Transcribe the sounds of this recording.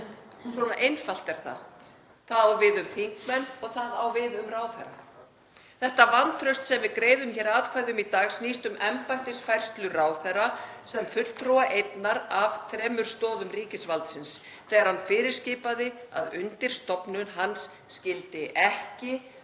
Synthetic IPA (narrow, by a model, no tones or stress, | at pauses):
sɔna̰ʔejnfal̥t̪ɛɾ̥θa̰ | θaðawvɪðʏmθiŋkmɛnːɔɣθaðawvɪðʏmraːwθɛ̰ɾa̰ | θɛht̪avanːθʰɾœst̪sɛmvɪðkɾeːjðʏmçɛːɾaːðkʰvajðɪʏmit̪aːɣsniːst̪ʏmɛmpajn̥t̪ɪ̥sfajr̥st̪lʏraːwθɛɾasɛmfʏl̥t̪ɾuwaʔejt̪naɾavθɾɛːmʏɾ̥st̪ɔːðʏmriːcɪsvalt̪sɪns | θɛːɣaɾ̥hanfɪːɾɪɾ̥scɪːpaðɪa̰ðʏnt̪ɪɾ̥st̪ɔpnʏnɦansːcɪlt̪ɪʔɛhcɪ